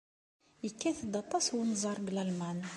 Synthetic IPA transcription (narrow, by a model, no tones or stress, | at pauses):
jəkːæθd̪ɑt̪ˤːɑswnzˤɑɾˤblælman